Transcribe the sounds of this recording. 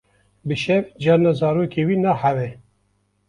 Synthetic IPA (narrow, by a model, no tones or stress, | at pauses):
bɨʃɛvd͡ʒɛɾnɑzɑːɾoːkeːwiːnɑhævɛ